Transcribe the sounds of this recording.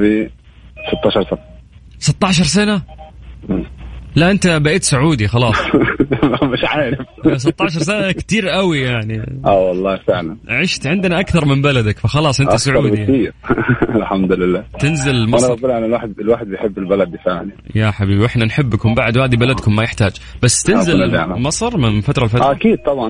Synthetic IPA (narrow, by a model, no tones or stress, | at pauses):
bi | sɨt̪ˤːɑːʃɑɾˤsana | sɨt̪ˤːɑʕʃɑɾˤs̬anaʔlaʔɪnt̪abaʔiːt̪sʊʕuːd̪ixɑlɑːsˤ | mɪʃʕaːɾɪfsɨt̪ˤːɑʕʃ̬ɑɾˤsanakt̪iːɾʔawijaʕniʔawɑlˤːɑːhfɪʕlanʕɪʃt̪ʕɪnd̪naʔakθɑɾˤmɪmbalad̪akfaxɑlɑːsˤʔɪnʔt̪asʊʕuːdiiːɾɪlħamd̪ʊlɪlːaːt̪ɪnzɪlmanɑulʔanːalwaːħd̪̚ɪlwaːħɪd̪̚bjħɪbːɪlbalad̪̚bfɪʕnijaħabiːbiwʔɪħnanħɪbːakʊmbaʕd̪whaːðibalad̪kʊmːajɪħt̪aːd͡ʒb̥asːt̪ɪnzɪl̰mɑsˤɨɾˤmɪnfat̪ɾˤɑlfatʔakiːd̪̚t̪ˤɑbʕɑn